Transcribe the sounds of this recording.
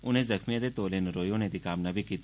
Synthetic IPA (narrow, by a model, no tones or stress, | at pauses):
ʊnɦẽzɐxmijãd̪et̪oːlenɾoːjõːnẽd̪ikaːmnɐbʱikiːt̪